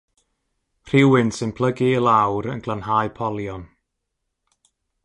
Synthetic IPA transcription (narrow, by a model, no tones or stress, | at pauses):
r̥ɪwɨnsɨnpʰl̥ˠəɡiəlˠawɾənɡlˠanhaːɨpʰɔlˠjɔn